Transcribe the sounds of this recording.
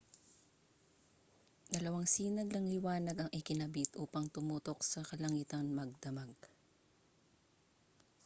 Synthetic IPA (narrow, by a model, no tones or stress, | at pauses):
d̪ɐlɐwaŋsiːnɐɡ̚nɐŋlɪwaːnɐɡɐŋʔɪkɪnɐbit̪ʔuːpɐŋt̪ʊmuːt̪o̞k̚sɐkɐlɐŋiːt̪ɐnmɐɡ̚d̪ɐmaɡ̚